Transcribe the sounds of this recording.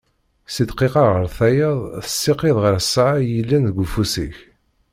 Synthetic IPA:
sid̪qiqɑʁəɾθæjəðˤθə̥sːiqeðˤʁəɾsːʕajilːænðəɡʷfusḭç

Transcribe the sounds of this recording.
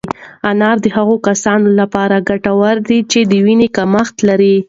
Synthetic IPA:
anɑɾd̪əhaɣokasɑnolapɑɾaɡaʈawaɾd̪it͡ʃed̪əwinekamaxt̪laɾi

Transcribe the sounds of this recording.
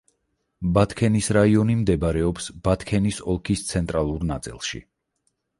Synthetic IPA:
bat̪ʰkʰɛnisɾaiɔnimd̪ɛbaɾɛɔpsb̥at̪ʰkʰɛnisɔlˠkʰist̪sʰɛnt̪ʼɾalˠuɾnat̪sʼḭlˠʃḭ

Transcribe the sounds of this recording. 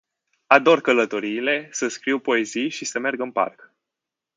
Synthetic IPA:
ad̪o̞rkələt̪o̞ɾiːle̞səskɾiwpo̞e̞zijʃisəme̞rɡɨnpa̰rk

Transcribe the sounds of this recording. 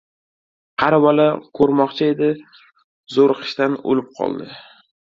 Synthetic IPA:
qʰɑɾavɒlakʰɵɾmɒqt͡ʃʰae̞d̪ɪ | zoɾqʰɨ̥ʃt̪ano̰lɪp̚qʰɒ̰lˠd̪ɪ

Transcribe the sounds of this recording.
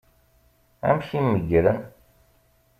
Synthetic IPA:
æ̰mçimːəɡɾən

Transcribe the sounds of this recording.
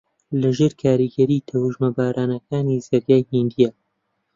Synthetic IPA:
lɐʒeːɾkʰaːɾiɡɐɾiːt̪ʰɐwuʒmɐbaːɾʔaːnɐkaːnizɐɾjaːjhind̪ija

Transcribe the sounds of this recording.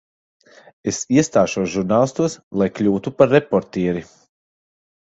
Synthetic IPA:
esiɛst̪aːʃuɔsʒuɾnaːlˠist̪uɔslˠajklʲuːt̪upaɾːepɔɾt̪iːɾi

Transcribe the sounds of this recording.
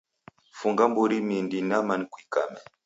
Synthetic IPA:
fuŋɡambuɾimindinamanikwikamɛ

